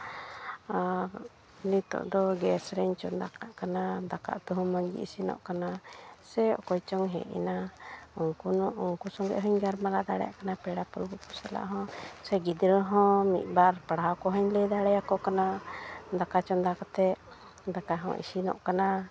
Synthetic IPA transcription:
nit̪ɔ̰ʔd̪ɔɡɛsɾɛɲt͡ʃɔnd̪akaʔkanad̪aka̰ʔt̪ɔɦɔ̃mɔɲɡḭʔisinɔ̰ʔkanasɛɔkɔjt͡ʃɔŋɦɛ̰̃ʔɛ̰naɔŋkunɔʔɔŋkusɔŋɡɛ̰ʔɦɔɲɡaɾmalad̪aɽɛja̰ʔkanapɛɽapulbɔkɔsɛla̰ʔɦɔ̃sɛɡid̪ɾɦɔ̃mḭt̪̚ˀbaɾpaɽɦakɔɦɔɲlɛd̪aɽɛjakɔʔkanad̪akat͡ʃɔnd̪akɔt̪ɛʔ | d̪akaɦɔ̰̃ʔḭsinɔ̰ʔkana

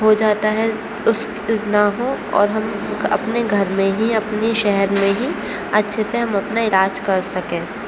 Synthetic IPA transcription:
ɦod͡ʒaːt̪aɦɛ | ʊs | naɦõɔ̰ːɾɦɐmɐ̰pneɡʱɐɾmẽɦiɐpniʃɛɦɛɾmẽɦi | ɐtːʃʰeseɦɐ̃mɐpnaɪlaːd͡ʒkɐɾsɐkẽː

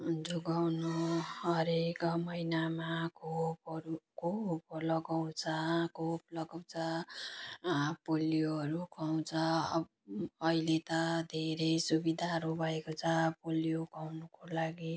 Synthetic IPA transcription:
d͡zuɡawnuɦʌɾekmʌjnamakʰopʌɾukoplʌɡaw̃t͡sʰʌkoplʌɡaw̃t͡sʰʌ | polijoʌɾukʰaw̃t͡sʰʌ | ilet̪ʌd̪ʱeɾʌjsubid̪ʱaɦʌɾubʱʌekot͡sʰʌpolijokawnukolaɡi

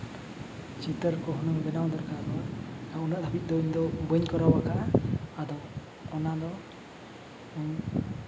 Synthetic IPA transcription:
t͡ʃit̪əɾkɔɦɔnɔbɛnawd̪ɔɾkad̪ɔunaʔd̪ʱabit̪̚d̪ɔiɲd̪ɔbəɲkɔɾawakaʔaad̪ɔw | ɔnad̪ɔ

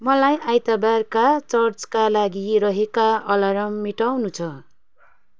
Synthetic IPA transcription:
mʌlajʔajt̪abarkat͡sʌrt͡skalaɡirʌɦekaʌlʌɾʌmːiʈawnut͡sʰʌ

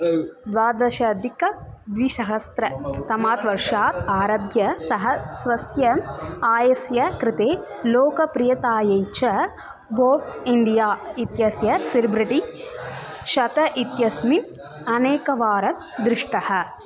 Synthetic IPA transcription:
d̪ʋaːd̪ɐʃɐd̪ikɐd̪ʋiʃɐɦɐst̪ɾɐt̪ɐmaːt̪ʋɐɾʂaːt̪aːɾɐbjɐsɐɦɐsʋɐsjɐaːjɐsjɐkɾɪt̪eː | loːkɐpɾɪjɐt̪aːjɐjt͡ʃɐ | boːʈiɳɖijaːit̪jɐsjɐsiɾibɾiʈi | ʃɐt̪ɐʔit̪jɐsmi | ɐneːkɐʋaːɾɐm | d̪ɾɪʂʈɐhɐ̆

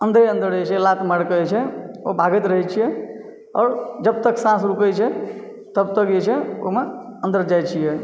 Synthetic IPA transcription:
ənd̪ʱɾeə̃nd̪əɾət͡ʃʰɛlat̪məɽkət͡ʃʰɛobʱaɡət̪ɾəɦɛt͡ʃʰijɛ | ɔ̰ːɾd͡ʒəb̚t̪əksãsɾukəjt͡ʃʰɛ | t̪əb̚t̪əkd͡ʒet͡ʃʰɛo̰meənd̪əɾd͡ʒajt͡ʃʰijɛ

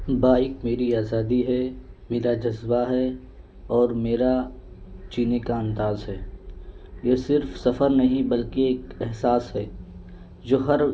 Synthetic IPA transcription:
baːɪkmeːɾiaːzaːd̪iɦɛmeːɾad͡ʒɐzbaɦɛ | ɔːɾmeːɾa | t͡ʃiːnekaə̃nt̪aːzɦɛː | jesɪɾfsɐfəɾnɐɦĩbɐlkeeːkɛɦsaːsɦɛː | d͡ʒoːɦɐɾ

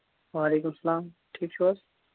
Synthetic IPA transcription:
ʋaːleːkʊmsɐlaːmʈʰiːkʃoːs

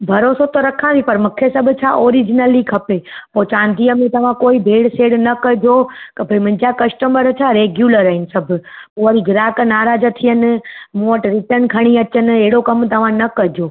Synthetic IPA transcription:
bʱɐɾoːsot̪oɾɐkʰãːʋipɐɾmʊkʰːesɐbʱt͡ʃʰa̰ʔoːɾid͡ʒnəlikʰɐpepot͡ʃãːnd̪ijəmẽt̪ɐʋ̤ãkoːibʱeːɽseːɽnɐkəd͡ʒokəbʱɐimə̃ɲd͡ʒakɐsʈəməɾt͡ʃʰaɾeːɡjuːləɾəɦɪnsɐbʱpoʋəɾiɡɾaːkənaːɾaːd͡ʒət̪ʰijən̆moːʈɾɪʈənkʰəɽ̃iət͡ʃənɪ̆eːɽokɐmt̪ɐʋ̤ãnɐkəɦd͡ʒoː

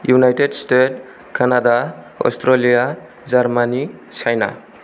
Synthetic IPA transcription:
junajtedstet | kʰanada | ɔ̰stʰɾelija | d͡ʒaɾmanit͡ʃʰajna̰

